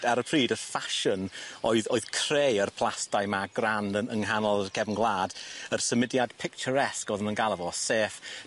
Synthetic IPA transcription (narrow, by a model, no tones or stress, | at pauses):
daɾəpʰriːdərfaʃənoɨðoɨð̥kʰr̥ejərpʰl̥ˠastajmaɡrandəəŋɦanɔlˠəkʰɛvənɡlˠaːdərsəmɪdjad̥pʰɪkt͡ʃəɾɛskɔðəmənɡalˠəvɔseːf